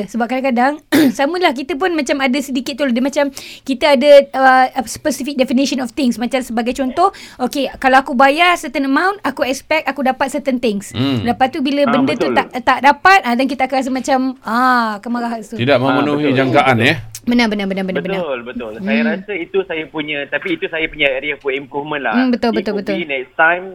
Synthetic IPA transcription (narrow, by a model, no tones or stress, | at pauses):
səbap̚kadaŋkadaŋsaməlahkit̪əp̬ʊnmat͡ʃamadasədikɪt̪̚ːuladimat͡ʃamkit̪aadəəspəsifik̚dɛfiniʃənɔft̪ɪŋsmat͡ʃamsəbaɡajt͡ʃɔnt̪ɔhʔokekalawakubajarsərt̪ənəmãwnt̪akuɛkspɛk̚t̪akudapat̪sət̪ənt̪ɪŋsdapat̪ubiləbəndət̪ut̪aʔt̪aʔdapat̪̚ʔadank̬it̪əakanɾas̬əmat͡ʃamakəmaɾaɦat̪ut̪idaʔmə̃mənuɦid͡ʒaŋkaʔanjabənabənabənabənaəbənalbət̪ʊlsajaɾasəit̪usajapuɲãt̪apiːt̪usajapuɲãeɾiafuimpɾufmə̃nla̰m̩bət̪ʊlbət̪ʊlbət̪ʊlnɛsajm